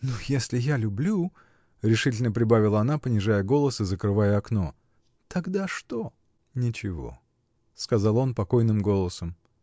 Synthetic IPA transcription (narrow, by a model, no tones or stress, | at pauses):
nujesʲlʲɪjalʲʊblʲu | ɾʲɪʂɨtʲɪlʲnəpɾʲɪbavʲɪlˠəɐnapənʲɪʐajəɡo̞lˠəsɨzəkɾɨvajəɐkno̞ | t̪ɐɡd̪aʂt̪o̞ | nʲɪt͡ɕɪvo̞̰ | skɐzɑlˠo̞npɐko̞jnɨmɡo̞lˠəsəm